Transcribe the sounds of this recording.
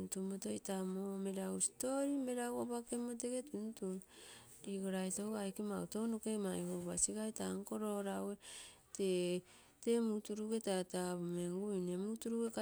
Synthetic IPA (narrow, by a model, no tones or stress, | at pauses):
ntumotojtamome̞ɾawsi̥to̞ɾime̞ɾawobakemot̬e̞ɡe̞tuntundiɡoɾajtowajkema̰wto̞nokemaehoβasiɡajtaŋko̞ɾo̞ɾawe | te | te̞mutuɾuɡe̞tataβumeŋɡujne̞mutuɾuɡeka